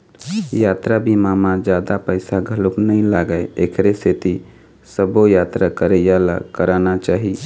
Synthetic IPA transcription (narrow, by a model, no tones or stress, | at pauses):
jat̪ɾabimamad͡ʒad̪apəɪsaɡʱəluknəĩlaɡəekʰɾeset̪i | səbojat̪ɾakəɾəjala̰kəɾanat͡ʃaːɦi